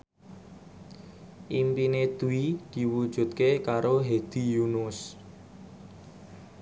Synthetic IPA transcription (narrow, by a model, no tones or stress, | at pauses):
ʔimpined̪̥uid̪̥i̤wud̥ʒ̥ṳt̪̚kekaɾoɦed̪̥i̤junʊs